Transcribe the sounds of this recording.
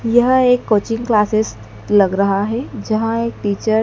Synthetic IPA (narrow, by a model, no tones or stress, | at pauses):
jɐɦeːkːoːt͡ʃɪ̃ŋɡklaːsɪs | lɐɡɾɐɦaɦɛd͡ʒɐɦãeːk̚ʈiːt͡ʃəɾ